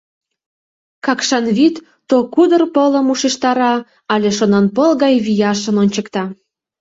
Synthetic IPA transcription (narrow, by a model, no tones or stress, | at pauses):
kɑkʃɑnβit̪ːokud̪ərpoləmuʃeʃt̪ɑɾɑ | ɑlʲeʃonɑnpɤlˠɣɑjβijɑʃə̆nonʲt͡ɕəkt̪ɑ